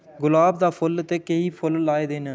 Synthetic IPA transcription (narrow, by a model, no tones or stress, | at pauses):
ɡʊlaːb̚d̪aːpʰʊlt̪eːkeiːpʰʊlːaːeːd̪eːnaː